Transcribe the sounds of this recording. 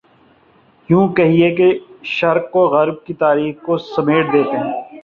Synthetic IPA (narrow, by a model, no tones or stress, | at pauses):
jũːkɛɦiekeʃɐɾkːoɣɐɾb̚kit̪aːɾiːxkosɐmeːʈ̚d̪eːt̪eɦɛ̃ː